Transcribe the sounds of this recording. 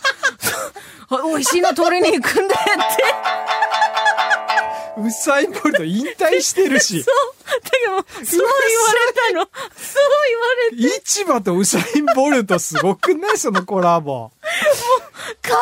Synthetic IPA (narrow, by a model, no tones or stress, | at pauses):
so | oiɕiːnot̪oːɾiɲʲiikɯ̃nd̪et̪ʰːe | ɯ̟saĩmboɾɯ̟t̪o̞ĩnt̪aiɕi̥t̪e̞ɾɯ̟ɕiod̪̥akamosoiβaɾet̪anosoːiβaɾeit͡ɕibat̪o̞ɯ̟saĩmbo̞ɾɯt̪osɨɡo̞kɯ̟ne̞so̞no̞ko̞ɾabo̰mokʰa